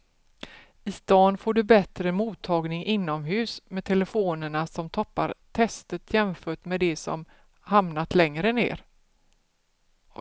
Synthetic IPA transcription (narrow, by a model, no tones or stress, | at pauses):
ɪst̪ɑːnfoːɖɵbɛt̪ɾəmuːt̪ʰːɑːɡnɪŋʔɪnːɔmɦʉ̟ːsmɛt̪ʰɛləfoːnəɳasɔmt̪ʰɔpːa̰ɾt̪ʰɛst̪ət̪ʰjɛmfœːʈmɛd̪ɛsɔ̰m | hamnat̪lɛŋɾənḛːɾ